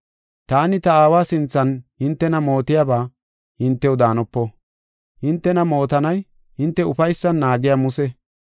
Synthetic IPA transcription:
t̪aːnɪt̪ɐaːwaːsɪnt͡sːɐnhɪnt̪ːɛnɐmo̞ːt̪ɪjabaː | hɪnt̪ːɛwd̪aːnɔpːɔ | hɪnt̪ːɛnɐmo̞ːt̪ɐnɐj | hɪnt̪ːɛʊfɐjsːɐnːaːɡɪjamʊsɛ

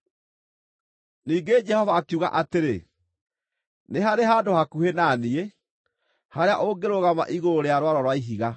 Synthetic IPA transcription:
niːɡed͡ʒɛhɔvaːkuɣa̰ʔateɾe | neɦaɾeɦaːdohakuhenaːnie | haɾeaʔoɡeɾoɣama̰ʔiɣoɾoɾeaɾwaɾɔɾwaiɦiɣa

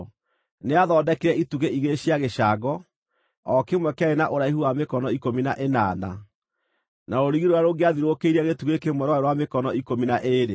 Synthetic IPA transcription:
neaðɔːdɛkeɾɛituɣeiɣeɕiaɣeɕaːɡɔ | ɔkemwɛkɛɾenaʔoɾaihuamekɔnɔikominaʔenaːna̰ | naɾoɾiɣiɾoɾaɾoɡeaðiɾokeiɾɛɣetuɣekemwɛɾwaeɾwamekɔnɔikominaʔeɾe

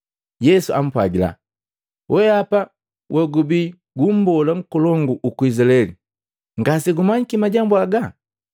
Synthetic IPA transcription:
jɛsuʔa̰m̩pwa̰ɡila̰ | wʔɛapa | wʔɛɡubi | ɡum̩bɔlaŋ̩kɔlɔŋɡuʔukuizalɛlḭ | ŋɡasiɡumaɲikimaɟambuaɡa

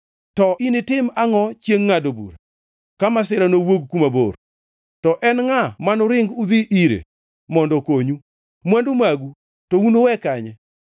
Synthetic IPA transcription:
tɔʔinɪtɪmaŋɔt͡ʃjeŋːadobṵɾa | kamasɪɾanowoɡkumabo̰r | tɔʔɛnŋamanʊɾɪŋɡud̪iʔiɾḛ | mɔndɔkoɲu | mwandumaɡu | tounowɛkaɲɛ

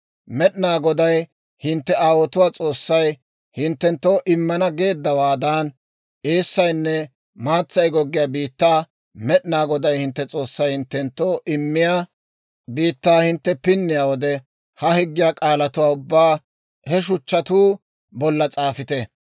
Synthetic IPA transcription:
mɛɗɪnaːɡɔd̪ɐj | hɪnt̪ːɛaːwɔt̪ʊwaːt͡sʼo̞ːsːɐj | hɪnt̪ːɛnt̪ːoːʔɪmːɐnɐɡe̞ːd̪ːɐwaːd̪aːn | eːsːɐjnːɛ | maːt͡sːɐjɡɔɡːɪjaːbiːt̪ːaː | mɛɗɪnaːɡɔd̪ɐjhɪnt̪ːɛt͡sʼo̞ːsːɐjhɪnt̪ːɛnt̪ːoːʔɪmːɪjaː | biːt̪ːaːhɪnt̪ːɛpɪnːɪjaːwɔd̪ɛ | hɐhɪɡːɪjaːkʼaːlɐt̪ʊwaːʊbːaː | hɛʃ̬ʊt͡ʃːɐt̪uː | bɔlːɐt͡sʼaːfɪt̪ɛ

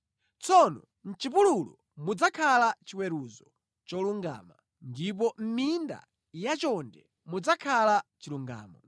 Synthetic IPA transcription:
t͡sɔnɔ̰ | n̩t͡ʃip̬ululɔ | mud͡zakʰalat͡ʃiwɛɾuzɔ | t͡ʃɔluŋɡa̰ːma | ndip̬ɔm̩minda̰ | jat͡ʃɔndɛ | mud͡zakʰalat͡ʃiluŋɡa̰ːmɔ

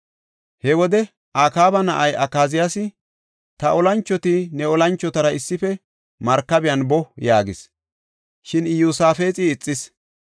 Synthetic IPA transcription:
hɛwɔd̪ɛ | ʔaːkaːbɐnɐʔɐjʔɐkːaːzɪjasɪ | t̪ɐʔɔlɐnt͡ʃːɔt̪ɪnɛɔlɐnt͡ʃːɔt̪ɐɾɐɪsːɪfɛ | mɐɾkːɐbɪjɐnbɔjaːɡɪs | ʃɪnɪjuːsaːfe̞ːt͡sʼɪːt͡sʼːɪs

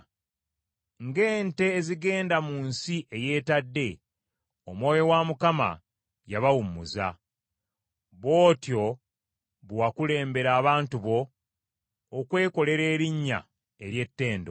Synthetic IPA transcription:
ŋɡe̞ːnte̞ːziɡe̞ːndamuːnsiʔeje̞ːtadːe̞ | omwo̞ːjo̞wamukama̰ | jaβawumuza̰ | βo̞ːtjo̞ | βwwakule̞ːmbe̞ɾaːβaːntuβo̞ | kwe̞ːko̞le̞ɾe̞ːɾiɲːa̰ | eɾje̞tːe̞ːndo̞̰

